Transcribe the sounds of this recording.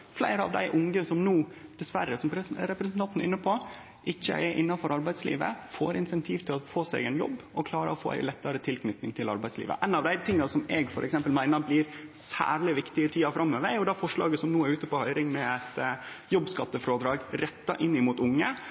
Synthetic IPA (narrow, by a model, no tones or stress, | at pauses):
flæ̰ɪɾəɑ̰ʋd̪æ̰ɪʔʊŋɡəsɔmnuːd̪̥ɛsʋæɾːəsɔmɾɾɛpɾɛsənt̪ɑnt̪nɪnːəpʰo | ʔɪçːə̰ʔɛʔɪnːɑfɔɾɑɾbæɪslḭːʋə̰fo̰ːɾɪnsɛnt̪ʰiːʋt̪ʰɪlɔfoːsɛ̰ːɡɛnjɔ̰bːʔɔkʰlɑːɾə̰ɔfo̰ːʔæ̰ɪlɛt̪ːɑɾət̪ʰɪlkʰnʏt̪nɪŋt̪ʰɪlɑ̰ɾbæɪslḭːʋə̰ʔɛnːɑʋd̪æɪt̪ʰɪŋːɑsɔmɛɡfɔɾʔɛksɛmpəlmæɪnəɾblɪːɾsæ̰ːɭɪʋɪkt̪ɪət̪ʰiːɑfɾʔɑmːøːʋəɾjʊd̪ɑfɔʂɭɑ̰ːɡəsɔmnuːæɾʉːt̪əpɔhœʏɾɪŋmɛæt̪ | jɔbskɑt̪ːəfɾoːd̪ɾɑːɡɾɛt̪ːɑʔɪnɪmuːt̪ʊŋːə